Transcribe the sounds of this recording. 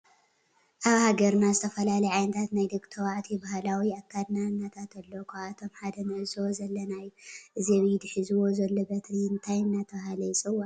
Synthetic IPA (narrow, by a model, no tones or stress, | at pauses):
ʔaβhaɡɐɾnazɨt̪ʰɐfɐlalɐjʕajnɐt̪ʰat̪najd̪ɨkʼt̪ʰɐwaʕt̪ʰibaɦalawiakʰːad̪nanːat̪ʰat̪ʰɐlːokʰat̪ʰo̞mħad̪ɐnɐʔɨzwozɐlːɐnajʔɨzeβid̪ɨħɨzɨwo̞zɐlːobɐt̪ɾiɨnt̪ʰajɨnːat̪ʰɐβɦalɐjsʼɨwːan